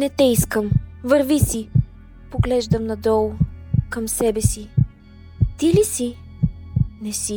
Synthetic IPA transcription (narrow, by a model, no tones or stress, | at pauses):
nɛt̪ɛiskəmvɤɾvisi | poɡlɛʒd̪ɐmnɐd̪ɔlˠkɐmsɛbɛsi | t̪ilisi | nɛsi